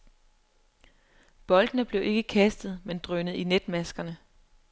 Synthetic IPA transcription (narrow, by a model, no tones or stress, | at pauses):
b̥ɒ̽ld̥ənəb̥le̝ʊʔe̝ɡ̥əkʰæsd̥ð̞̩ˠmend̥ʁœnð̩ˠined̥mæsɡ̥ɐnə